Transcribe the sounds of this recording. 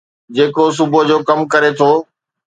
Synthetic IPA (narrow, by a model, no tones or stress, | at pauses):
d͡ʑeːkos̬ʊbod͡ʑoːkɐmkɐɾet̪ʰoː